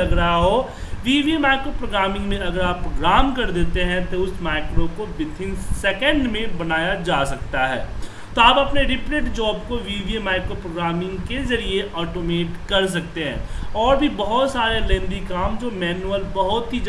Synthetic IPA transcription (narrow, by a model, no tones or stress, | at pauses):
ɐɡɾəɦaɦo | ʋiːʋiemaːɪkɾopɾoːɡɾaːmɪ̃ŋɡmẽɐɡəɾaːpːɾoɡɾaːmkɐɾd̪eːt̪eɦɛ̃t̪oʊsmaːɪkɾokobɪt̪ʰɪnsɛːkə̃ɳɖmẽbɐnaːjad͡ʒaːsɐkt̪aɦɛ̰ː | t̪oaːpɐpneɾɪpɾeʈd͡ʒɔːbkoʋiːʋiemaːɪkɾopɾoːɡɾaːmɪ̃ŋɡkezɐɾieʔɔːʈoːmeːʈkɐɾs̬ɐkt̪eɦɛ̰̃ːɔːɾbʱibɐɦʊt̪saːɾelẽːnd̪ikaːmd͡ʒoːmɛːnuəlbɐɦʊt̪ɦid͡ʒ